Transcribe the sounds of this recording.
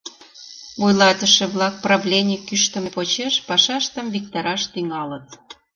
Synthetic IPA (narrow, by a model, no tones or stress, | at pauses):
ojlɑt̪əʃĕβlɑk̚prɑβlʲenʲikyʃt̪ə̆mepot͡ɕeʃpɑʃɑʃt̪əmvik̚t̪ɑɾɑʃt̪yŋɑlət̪̚